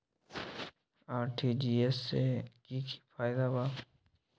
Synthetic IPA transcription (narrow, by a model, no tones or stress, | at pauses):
aːɾʈʰid͡ʒiesːekikʰi̥pʰaːjd̪aba